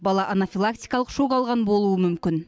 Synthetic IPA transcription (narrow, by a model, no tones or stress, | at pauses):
bɑlˠɑʔanafijlˠak̚t̪ijkɑlˠəqʃokɑlˠʁɑnbo̞lˠuəmʏmkʲɪn